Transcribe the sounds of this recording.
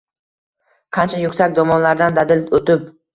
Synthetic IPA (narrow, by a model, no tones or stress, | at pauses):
qʰɑnt͡ʃʰajʊkʲsakʲd̪ɒmɒnlaɾd̪and̪ad̪ɪlot̪ɪp